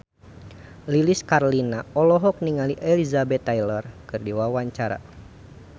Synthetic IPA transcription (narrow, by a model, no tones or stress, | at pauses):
liliskarlinaɔlɔɦɔk̚niŋaliʔɛlizabɛt̪ːajlərkɨrdiwawaɲt͡ʃaɾa̰